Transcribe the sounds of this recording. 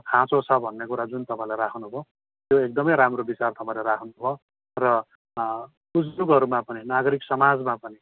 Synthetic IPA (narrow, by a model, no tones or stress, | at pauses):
kʰãt͡sot͡sʰʌbʱʌnːekuɾad͡zunt̪ʌpãĩlajɾakʰnubʱo | t̪joek̚d̪ʌmʌjɾamrobit͡sart̪ʌpãĩlaɾakʰnubʱo | rʌ | ud͡zuɡʌɾumapʌninaɡʌɾiksʌmad͡zmapʌni